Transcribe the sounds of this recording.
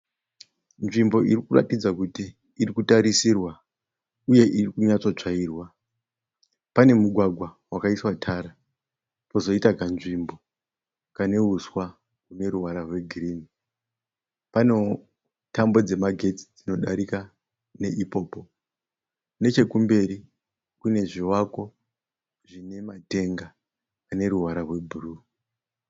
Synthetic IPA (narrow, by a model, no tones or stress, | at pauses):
nʐimbo̞irikura̰tid͡zakutiː | rikutaɾisirwa | uje̞ʔirikuɲat͡so̞t͡ʂaiːrwa | pane̞muɡʱwaɡʱwa | wakaiswatʰaɾa | po̞zo̞itakanʐimbo̞ | kane̞ɦuswa | kune̞ɾuɦaɾarwe̞ɡʱiriːni | pano̞ | tambo̞d͡ze̞maɡʱe̞t͡si̥d͡zino̞ɗaɾika | ne̞ʔipo̞ːpo̞ | kune̞t͡ʃe̞kumbe̞ɾi | kune̞ʐiwako̞ | ʐ̥ine̞mate̞ŋɡa | ane̞ɾuwaɾarwe̞bʱuru